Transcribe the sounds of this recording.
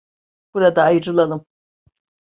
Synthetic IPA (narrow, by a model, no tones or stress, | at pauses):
b̥uɾad̪aːjʈ͡ʂʼɨlalɨm